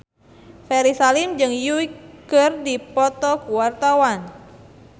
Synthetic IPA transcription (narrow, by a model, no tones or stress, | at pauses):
fɛɾisalimd͡ʒɨŋjuikərdipɔt̪ɔkuwart̪awan